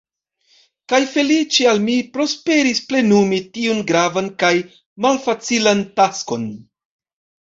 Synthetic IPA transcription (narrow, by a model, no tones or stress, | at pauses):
kajfe̞lit͡ʃialmipɾo̞spe̞ɾisple̞numitiunɡɾavankaj | malfat͡silantasko̞n